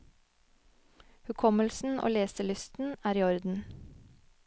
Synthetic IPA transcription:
hʉkʰɔməlsn̩ʔo̰ːleːsəlʏst̪n̩æːɾiːɔɾd̪n̩

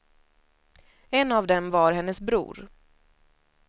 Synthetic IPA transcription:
ɛnːavd̪ɛmvaɾɦɛnːəsbɾṵːɾ

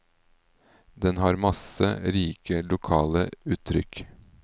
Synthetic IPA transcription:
d̪ɛnhɑːɾmɑsəɾiːkəlʊkʰɑːləʉːt̪ʰːɾʏk

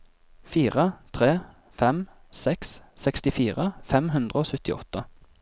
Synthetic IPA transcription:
fiːʁət̪ʰʁeː | fɛm | sɛkssɛkst̪ɪfiːʁəfɛmɦʉnd̪ʁəoːsʉt̪ɪɔ̰t̪ːə

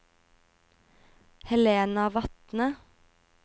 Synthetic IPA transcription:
hɛleːnɑʋɑt̪nə

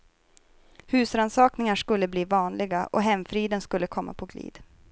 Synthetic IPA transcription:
hʉ̟ːsɾansɑːknɪŋaʂkɵlːəbliːvɑːnlɪɡaʔɔɦɛmfɾiːd̪ənskɵlːəkʰɔmːa̰pʰɔɡlḭːd̪

